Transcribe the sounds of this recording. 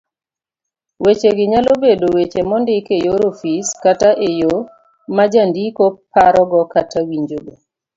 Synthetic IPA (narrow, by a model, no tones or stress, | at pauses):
wet͡ʃeɡɪɲalobedowet͡ʃemɔndɪkejoɾofiskataʔejo | mad͡ʒandikopːaɾɔɡɔkatawiɲd͡ʒoɡo